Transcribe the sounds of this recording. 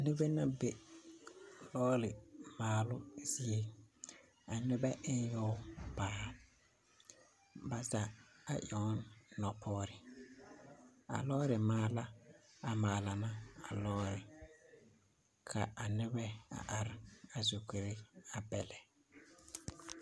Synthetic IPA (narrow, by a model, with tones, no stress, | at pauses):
nɪ˦be˦na˦be˨ | lɔː˦lɪ˨maː˨lʊ˦zi˦e˦ | a˨nɪ˦bɛ˦ʔɪ˦n˦jɔ˦paː˦˨ | ba˨za˨a˨ʔɔ˨˦nnɔ˨pʰɔː˦ɾɪ˨ | a̰˨lɔː˦ɾɪ˨maː˨la˦a˨ma˨la˨na˦a˨lɔː˦ɾɪ˨ | kʰa˨a˨nɪ˦bɛ˦a̰˨ʔa˨ɾɪ˨a˨zo˨ke˨ɾe˦a˨bɛ˨lɛ˨